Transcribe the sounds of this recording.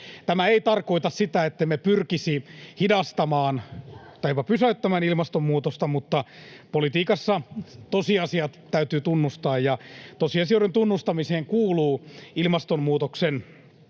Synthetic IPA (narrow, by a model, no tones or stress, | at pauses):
t̪æmæeit̪ɑrko̞it̪ɑssit̪æet̪ːemepyrkisihidɑst̪ɑmɑːnt̪ɑipɑpysæyt̪ːæmæːnilmɑst̪omːuːt̪ost̪ɑmut̪ːɑpolit̪iːkɑsːɑt̪osiɑsiɑt̪t̪ːæyt̪yːt̪unːust̪ɑːjjɑt̪osiɑsioɾent̪unːust̪ɑmiseːŋkuːluːilmɑst̪ommuːt̪oksen